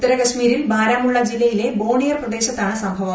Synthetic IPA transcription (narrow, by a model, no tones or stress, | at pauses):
ut̪ːɐɾɐkɐɕmiːɾilbʱaːɾaːmuɭːɐd͡ʑilːɐjile̞bo̞ːɳijɐrprɐd̪e̞ːɕɐt̪ːaːɳɨsɐmbʱɐʋɐ